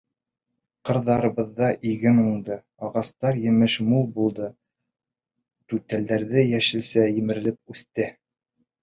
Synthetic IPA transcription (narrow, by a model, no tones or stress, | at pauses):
qɤ̆ɾðɑɾɤ̆βɤ̆ðːɑʔiɡɘnuɴd̪ɤ | ɑʁɑst̪ɑɾjɘ̆mɘʃmulˠbulˠd̪ɤ | t̪ʉt̪æld̪æɾðɘjæʃɘ̆lsæjɘ̆mɘ̆ɾɘ̆lɘp̚ʉθt̪ɘ